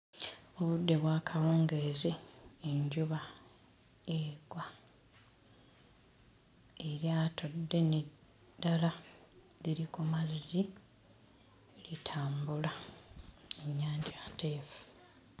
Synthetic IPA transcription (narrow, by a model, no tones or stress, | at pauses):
oβudːe̞βwaːkʰawoːŋɡezeːɲɟuβa | eɡ̥wa | eɾjaːtʰodːe̞ne | dala | liɾikumazːi | litʰaːmbula | eɲːaːɲɟate̞ːfu̥